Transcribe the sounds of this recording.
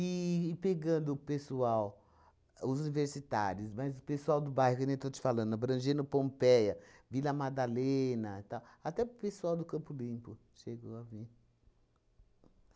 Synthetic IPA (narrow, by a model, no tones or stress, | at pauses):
ɪːpeɡɐ̃d̪ʊpesuaw | ʊzuniveɾsit̪a̰ɾjʊsmɐjzʊpesuawd̪ʊbajhʊknẽt̪ot͡ʃɪ̥falɐ̃nd̪ʊbɾɐ̃ʒẽnʊpõmpɛjɐvilɐmad̪alenɐt̪awat̪ɛpesuawd̪ʊkɐ̃mpʊlĩpʊ | ʃeɡoavi